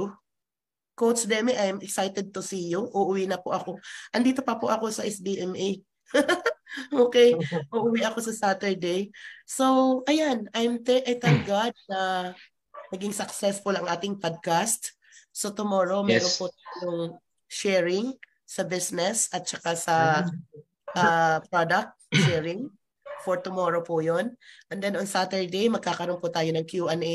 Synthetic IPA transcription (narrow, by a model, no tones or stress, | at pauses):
kowt̪sd̪ɛmɛʔajmɛksajt̪ɛd̪̚t̪ʊsijoʔʊʔʊwinɐpʊʔɐko̞ʔɐnd̪iːt̪o̞pɐpʊʔɐko̞sɐʔɛsbiʔɛmʔi | ʔoːkɛjʔʊʔʊwiʔɐko̞sɐsaːt̪ɛɹd̪ɛjso̞wʔɐjanajmt̪ɛʔɐjt̪ɛnɡad̪̚nɐ | nɐɡɪŋsɐksɛsfʊlɐŋʔaːt̪ɪŋpod̪̚kast̪ | sot̪ʊmoːɹo̞mɛɾonpʊt̪aːjoŋ | ʃɛɹɪŋ | sɐbisnɛsɐt̪̚t͡ʃɐkasɐ | ʔapɹod̪ɐk̚t̪̚ʃɛɹɪŋ | foɹt̪ʊmoːɾopʊjonʔɛnd̪ɛnoŋsat̪ɛɹd̪ejmɐɡ̚kaːkɐɾonpʊt̪aːjonɐŋkjuʔɐnɛ